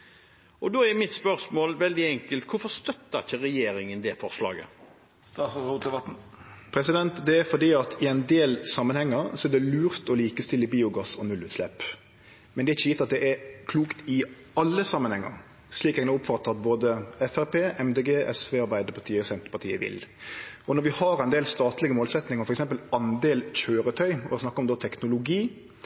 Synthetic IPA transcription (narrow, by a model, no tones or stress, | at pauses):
ʔɔd̪oːɛɾmɪt̪spœɾsmoːlʋɛld̪ɪɛŋkəlt̪kʰʊfɔst̪œt̪ːəçəɾɛjeːɾɪŋənd̪ɛfɔɾslɑ̰ːɡə̰ | st̪ɑsɔhuɛ | pʰɾɛsɪd̪ɛnt̪d̪ɛæɾfɔd̪iːɑt̪ʰɪɛɪnd̪eːlsɑmːənhɛŋːəɾsɔɛd̪ɛlʉːɾt̪ɔliːkəst̪ɪlːəbiːʊɡɑsɔnʉlʉːt̪slɛp | mɛnd̪ɛæɾɪçːəiːt̪ːɑt̪̚d̪ɛʔɛɾkʰluːkt̪ɪ | ɑlːəsɑmːənhɛŋːə̰ɾ | sliːkɛɡnɛʊpfɑt̪ːəɑt̪̚boːd̪əɛfæɾpeːʔɛmd̪eːɡeːʔɛsʋeːɑɾbæɪd̪əɾpʰɑt̪ʰiːəsɛnt̪ə̥pɑt̪ʰḭːə̰ʋɪ̰lɔnɔɾʋɪhɑɾæɪnd̪eːlst̪ɑːt̪lɪɡəmoːlsɛt̪nɪŋəfɔɾɛksɛmpəlɑnd̪eːlc͡çøːɾət̪ʰœʏɔsnɑkːəɔmd̪oːt̪ʰɛknʊlʊɡiː